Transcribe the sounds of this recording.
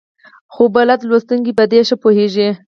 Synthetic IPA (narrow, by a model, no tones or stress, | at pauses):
xobalad̪lwost̪uŋɡibad̪eʃəpoheʒi